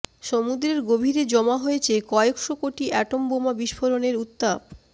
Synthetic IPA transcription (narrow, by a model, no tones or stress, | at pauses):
ʃomud̪ɾeɾɡobʱiɾed͡ʑɔmaɦojet͡ɕʰekɔekʃokoʈiʔɛʈombomabiʃfʰoɾoneɾut̪ːab̚